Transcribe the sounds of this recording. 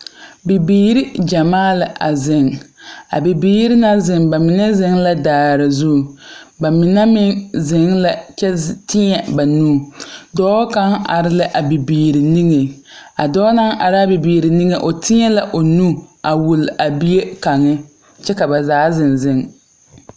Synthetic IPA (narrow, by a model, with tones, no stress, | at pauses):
bi˨biː˦ɾi˦d͡ʒa˨maː˦lɪ˨ʔa̰˨zɪ˨ŋa̰˨bi˨biː˦ɾɪ˦na˦zɪ˨ŋba˨mɪ˨nɛ˦zɪ˨˦ŋla˦daː˨ɾɪ˨zu˦˨ba˨mɪ˨nɛ˦mɪ˦ŋzɪ˨ŋla˨t͡ʃɛ˦tɪ˦ɲɛ˨ba˨nuː˦˨dɔː˦ka˦ŋa̰˨ɾɪ˦lɪ˦ʔa˨bi˨biː˨ɾi˨ni˦ŋe˨ | a˨dɔː˦na˦ŋʔa˨ɾɪ˦a˦bi˨biː˨ɾi˨ni˦ŋe˨ʔo˨tʰɪ˦ɲɛ˦la˦ʔo˨nu˦a˨wu˨la˨bi˦e˦ka˨ŋɪ˦ | t͡ʃɛ˦ka˨ba˨zaː˨˦zɪ˨nzɪ˦ŋ